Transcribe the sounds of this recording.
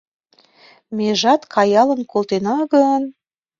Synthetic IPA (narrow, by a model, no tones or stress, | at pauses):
meʒɑt̪kʰɑjɑlə̆nkolˠt̪enɑɡən